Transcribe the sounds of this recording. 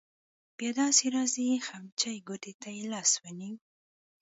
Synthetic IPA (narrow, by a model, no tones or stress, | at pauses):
b̥jɑd̪ɑsiɾɑzixamt͡ʃajɡot̪et̪ajlɑswəni